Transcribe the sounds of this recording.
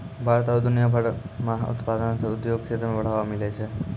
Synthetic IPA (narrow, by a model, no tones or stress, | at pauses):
bʱaɾt̪ad̪unjabʱaɽmaɦṵt̪pad̪ənsəud̪joɡ̚kʰet̪əmãʋəɽ̤aʋamilet͡ʃʰe